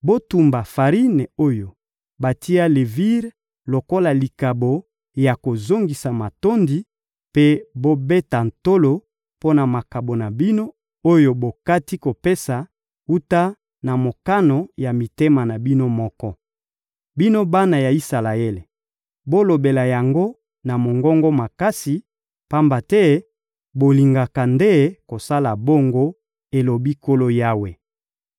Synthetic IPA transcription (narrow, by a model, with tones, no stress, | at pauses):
bo˦tu˨mba˨fa˨ʁi˦ne˨o˦jo˨ | ba˨tʰi˦a˦le˨vi˦ʁ | lo˨ko˦la˨li˨ka˨bo˨ | ja˨ko˨zo˦ŋɡi˨sa˨ma˨to˦ndi˦ | pe˦bo˦be˦ta˨n̩˨to˦lo˨ | po˦na˨ma˨ka˨bo˨na˨bi˦no˦ | o˦jo˨bo˨ka˦ti˦ko˨pe˦sa˨ | u˦ta˦ | na˨mo˨ka˦no˨ja˨mi˨te˦ma˨na˨bi˦no˦mɔ˦kɔ˦ | bi˦no˦ba˦na˨ja˨i˦sa˨la˨e˦le˨ | bo˦lo˨be˨la˨ja˨ŋɡo˦ | na˨mo˨ŋɡɔ˦ŋɡo˦ma˨ka˦si˨ | pa˦mba˨tɛ˦ | bo˨li˨ŋɡa˨ka˨nde˦ko˨sa˦la˨bo˦ŋɡo˦ | e˨lo˨bi˦ko˦lo˦ja˦we˨